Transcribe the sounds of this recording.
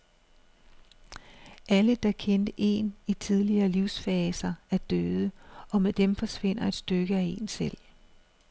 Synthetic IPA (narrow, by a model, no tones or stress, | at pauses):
ʔæləd̥ɑ̈kʰend̥əʔe̝̰nit͡sʰið̞ˠliɐːliʊsfɛːsɐæɐd̥øːð̞ˠəɒ̽med̥emfɒ̽sʋe̝n̰ɐe̝d̥sd̥øɡ̥əæe̝nsel̰